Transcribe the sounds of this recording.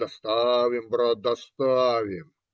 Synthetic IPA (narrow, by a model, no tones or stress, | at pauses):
ɐst̪aʋimbɾad̪ɐst̪aːʋem